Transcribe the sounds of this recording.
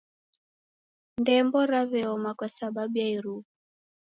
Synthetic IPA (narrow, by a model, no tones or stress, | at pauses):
ndɛmbɔɾaβɛɔmakɔsababjaiɾu